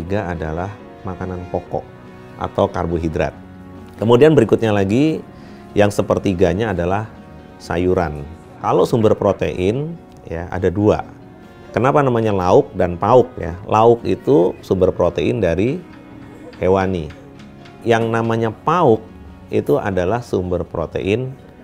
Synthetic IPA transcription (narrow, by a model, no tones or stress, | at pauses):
iɡaadalah | makananpokɔ̰ʔ | ʔa̰t̪awkarbuɦidɾa̰t̪̚ | kəmudianbəɾikʊt̪̚ɲalaɡi | jaŋsəpərt̪iɡaɲaːdalah | sa̰juɾa̰n | kalosumbərpɾot̪ḛʔɪn | jaa̰dadua̰ | kənapanamaɲalaʊk̚danpaʊk̚ja̰laʊk̚ḭt̪usumbərpɾot̪eɪndaɾi | hewani | jaŋnamaɲapaʊk̚ | ḭt̪uʔa̰dalahsumbərpɾo̰t̪ḛʔɪn